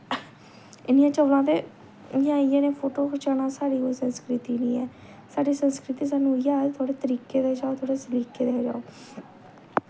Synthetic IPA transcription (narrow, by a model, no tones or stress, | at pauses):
ɪnɪjãːt͡ʃəʋlãːt̪eː | jãːieːneːpʰoːʈoːkət͡ʃaːnãːsaːɾiːoːsənskɾɪt̪iːnĩːɛ̰ː | saːɖiːsənskɾɪt̪iːs̬aːnũːjaːt̪ʰʊaːɽeːt̪əɾiːkeːd̪aːd͡ʒaːoːt̪ʰaːɽeːsəliːkeːd̪aːd͡ʒa̰ːo